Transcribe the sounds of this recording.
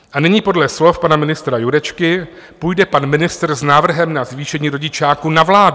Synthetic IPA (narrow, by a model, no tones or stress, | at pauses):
ʔanɪɲiːpo̞dlɛslo̞fpanamɪnɪst̪ɾajuɾɛt͡ʃkɪ | pujdɛpanmɪnɪst̪rznaːvr̩ɦɛmnazviːʃɛɲiːɾo̞ɟɪt͡ʃaːkunavlaːd